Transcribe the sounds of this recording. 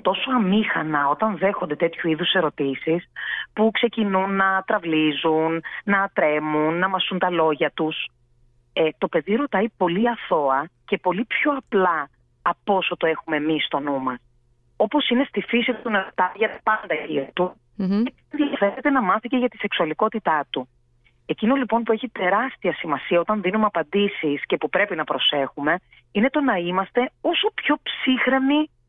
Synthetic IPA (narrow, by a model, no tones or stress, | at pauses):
t̪o̞soɐmixɐnɐo̞t̪ɐnðe̞xo̞nd̪e̞t̪et̪çuiðuse̞ɾo̞t̪isispukse̞cinunːɐt̪ɾɐvlizunːɐt̪ɾe̞munːɐmɐsunt̪ɐlo̞ʝɐt̪us | et̪o̞pe̞ðiɾo̞t̪ɐipo̞liɐθo̞ɐce̞po̞lipço̞ɐplɐː | po̞so̞t̪oe̞xume̞mist̪o̞numɐɾ | o̞po̞sine̞st̪ifisit̪unɐt̪ɐʝɐt̪ɐ̥pɐnd̪ɐciɾt̪u | e | nðiɐfe̞ɾet̪e̞nɐmɐθiceʝɐt̪ise̞ksuɐliko̞t̪it̪ɐt̪u | e̞cino̞lipo̞npue̞çit̪e̞ɾɐst̪iɐsimɐsiɐo̞t̪ɐnðinumeɐpɐnd̪isisce̞pupɾe̞pinɐpɾo̞se̞xume̞ | ine̞t̪o̞nɐimɐst̪e̞o̞so̞pço̞psixɾe̞mi